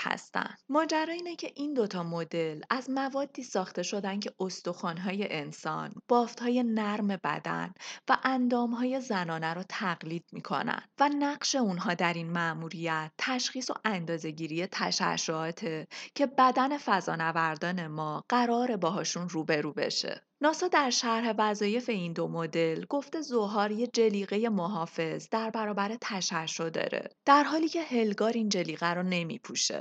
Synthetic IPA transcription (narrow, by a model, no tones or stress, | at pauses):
hæ̰st̪æ̰nd̪mɒːd͡ʒæɾɒːiːnecʰe̞ʔind̪o̞t̪ʰɒːmod̪e̞læzmævɒːd̪̥ːiːsɒːxt̪e̞ʃo̞d̪æncʰe̞ʔost̪o̞xɒːnɦɒːje̞ʔensɒ̰nb̥ɒːft̪hɒːje̞næɾme̞bæ̰d̪æ̰nvæʔænd̪ɒːmɦɒːje̞zænɒːnæɾɔt̪ʰæɣliːd̪̥̚mḭkʰo̞̰næ̰nd̪̥vænæɢʃe̞unɦɒːd̪æɾinmæmuɾijæt̪ʰːæʃxiːso̞̰ʔænd̪ɒːze̞ɟiːɾije̞t̪ʰæ̰ʃæ̰ʃoɒːt̪ʰe̞cʰe̞bæd̪æne̞fæzɒ̰ːnævæɾd̪ɒːne̞mɒːɢ̥æɾɒːɾe̞bɒːɦɒːʃunruːbe̞ɾuːbe̞̰ʃḛ | nɒːsɒːd̪æɾʃæɾhe̞væzɒːje̞fe̞ind̪o̞mod̪e̞lɡo̞ft̪e̞zo̞ɦɒːɾje̞d͡ʒe̞liːɣe̞je̞moɦɒːfe̞zd̪æɾbæɾɒːbæɾet̪ʰæʃæʃːod̪ɒ̰ːɾḛd̪̥æɾɦɒːliːcʰe̞he̞lɡɒːɾind͡ʒe̞liːɣæɾone̞mḭpʰuʃḛ